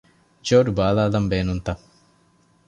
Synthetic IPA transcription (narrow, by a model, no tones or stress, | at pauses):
t͡ʃoːɖubaːlaːlɐmbeːnunt̪ɐ